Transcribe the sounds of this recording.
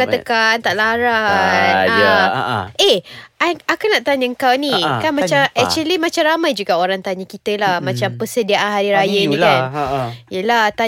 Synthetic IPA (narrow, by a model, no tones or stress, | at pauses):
at̪əkant̪aʔlaɾana | ʔeaakunaʔt̪aɲəŋkawnĩkanmãt͡ʃamɛk̚t͡ʃuəlimat͡ʃamramajd͡ʒuɡaoɾaŋt̪aɲəkit̪əlahmãt͡ʃampəsədiaʔanɦaɾiɾajənĩkanjəlaht̪a